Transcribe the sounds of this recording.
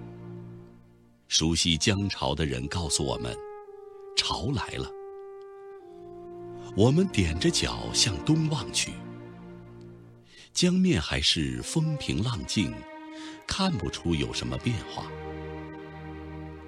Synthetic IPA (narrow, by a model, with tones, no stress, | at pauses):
ʂu˧˥ɕi˧t͡ɕjɑ˥ŋʈ͡ʂʰɑ˧˥ʊd̪ə˧ɻə̰˧˥nkɑ˥˩ʊsu˨wɔ̰˨˩mə̰˦n | ʈ͡ʂʰɑ˧˥ʊla˧˥ɪlə̰˧ | wɔ˨˩mə˦nt̪jɛ˨˩nʈ͡ʂə˦t͡ɕjɑ̰˨˩ʊɕjɑ˥˩ŋt̪ʊ˥ŋwɑ˥˩ŋt͡ɕʰy̰˥˩ | t͡ɕjɑ˥ŋmjɛ˥˩nxa˧˥ɪʂɻ̩˥˩fə˥ŋpʰḭ˧˥ŋlɑ˥˧ŋt͡ɕi˥˩ŋkʰa˥˩npu˨ʈ͡ʂʰu˥jo˨˩ʊʂə̰˧˥nmə˧pjɛ˥˧nxwa̰˥˩